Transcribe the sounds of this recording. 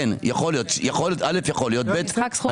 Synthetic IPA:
njaχolijot̪jaχoltʔalefjaχolijo̞t̪̚bet̪

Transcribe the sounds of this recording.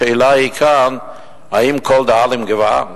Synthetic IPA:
ɛlaikʰan | haimkʰɔlˠd̪aalɪmɡəva̰

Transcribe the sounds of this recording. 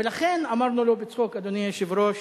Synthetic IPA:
elaχe̞namaʁnulobet͡sχokad̪onijaʃivɾoʃ

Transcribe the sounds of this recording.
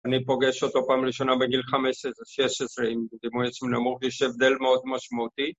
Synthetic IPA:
anipo̞ɡeʃot̪o̞paːmʁiʃo̞nabeɡilχamesesʁeʃeʃesʁeimd̪imujt͡sminamuχjɛʃevd̪e̞lmeo̞d̪maʃmaut̪i

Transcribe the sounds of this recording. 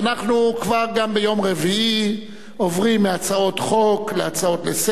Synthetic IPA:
anaχnukvaʁɡambejo̞mʁevii | ovʁimːeat͡sao̞t̪χo̞kleat͡sao̞t̪les

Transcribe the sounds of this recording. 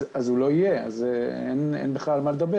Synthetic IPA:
azulo̞ijea̰zḛnḛnbeχlalmaled̪abe

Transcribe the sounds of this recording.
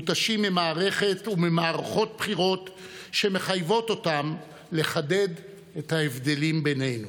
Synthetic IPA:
ut̪aʃimːimaːʁe̞χe̞tumemaːʁaχo̞t̚pχiʁo̞t | ʃe̞me̞χajvo̞to̞tam | le̞χade̞d̪ | ethaevd̪e̞limbe̞ne̞jnu

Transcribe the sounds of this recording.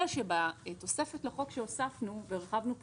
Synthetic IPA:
aʃebato̞se̞fetlaχo̞kʃeosafnuveʁχavnup

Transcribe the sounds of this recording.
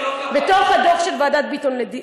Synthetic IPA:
bet̪oχhad̪oχʃelvaːd̪at̪̚bit̪onled̪i

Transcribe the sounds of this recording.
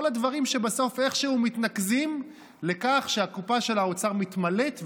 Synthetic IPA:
olad̪vaʁimʃebaso̞fe̞χʃehumit̪nakzim | le̞kaχʃeakupaʃe̞laot͡saʁmit̪male̞t̪v

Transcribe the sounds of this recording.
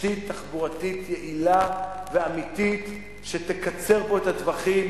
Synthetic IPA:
it̪ːaχbuʁat̪it̪jeʔilaveamit̪it̪ | ʃete̞kat͡se̞ʁbo̞ethadvaχim

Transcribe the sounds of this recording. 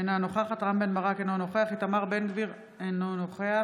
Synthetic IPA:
enanoχaχat̪ʁambenmaʁakenonoχeaχit̪amaʁbenɡviʁ | enonoχea

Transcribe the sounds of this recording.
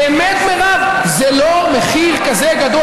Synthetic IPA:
emet̪meʁav | zelomeχiʁkazeɡad̪o

